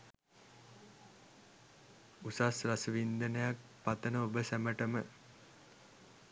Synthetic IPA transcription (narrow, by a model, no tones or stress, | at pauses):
usasrasəʋind̪ənəjak̚pat̪ənəobəsæməʈəmə